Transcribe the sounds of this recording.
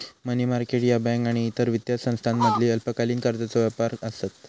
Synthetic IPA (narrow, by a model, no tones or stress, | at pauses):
mənimaɾkeʈjabɛ̃ŋkaɽ̃iːt̪əɾʋit̪jasə̃w̃st̪ʰanməd̪ʱliːəlpəkaliːnkaɾd̪at͡sɔʋjapaɾəsat̪